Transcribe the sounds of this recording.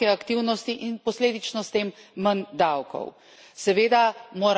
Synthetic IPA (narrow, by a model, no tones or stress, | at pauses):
ɛakt̪iwnɔst̪iʔinpɔsleːd̪it͡ʃnɔst̪eːmːənd̪awkɔ̰w | sɛʋeːd̪amoːɾ